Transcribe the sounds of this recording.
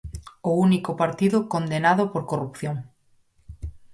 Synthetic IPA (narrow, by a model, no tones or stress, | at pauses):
ounikopaɾt̪iðʊkond̪enaðʊpoɾkorupθjoŋ